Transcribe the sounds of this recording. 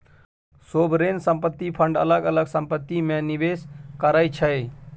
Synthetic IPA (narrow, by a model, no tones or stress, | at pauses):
sobɾensə̃mpət̪ːipʰəɳɖə̰ləɡələɡsəmpət̪ːimeniʋeskəɾajt͡ʃʰəj